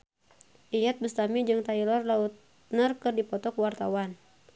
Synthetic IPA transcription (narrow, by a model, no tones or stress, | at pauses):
ʔijat̪̚bəst̪amid͡ʒɨŋt̪ailɔrlaut̪̚ | nərkɨrdipɔt̪ɔkwart̪awan